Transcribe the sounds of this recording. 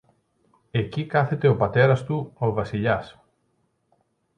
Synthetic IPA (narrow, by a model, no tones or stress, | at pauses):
e̞cikɐθe̞t̪e̞o̞pɐt̪e̞ɾɐst̪uo̞vɐsiʎɐs